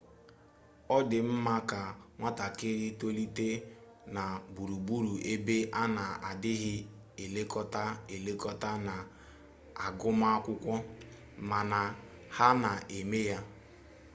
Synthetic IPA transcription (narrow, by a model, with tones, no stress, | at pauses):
ɔ˦dɪ˨m̩˦ma˦ka˨ŋʷa˦ta˨kɪ˦ɾɪ˦to˦li˦te˦ | na˨bu˨ɾu˨bu˦ɾu˨ʔe˦be˦ʔa˦na˨a˨dɪ˦ɦɪ˦ | e˨le˦kɔ˦ta˦e˨le˦kɔ˦ta˦na˨ | a˨ɡʊ˦ma˦kʷʊ˦kʷɔ˦ | ma˨na˨ | ha˦na˨ʔe˨me˦ja˦